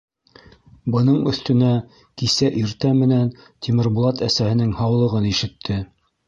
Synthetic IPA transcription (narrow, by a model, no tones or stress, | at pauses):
bɤ̆nɤɴɵ̆θt̪ɵ̆næ | kisæʔiɾt̪æmɘ̆næn | t̪ʲimɘ̆ɾbulˠɑt̪æsæhɘ̆nɘŋhɑwlˠɤ̆ʁɤniʃɘ̆t̪ʰːɘ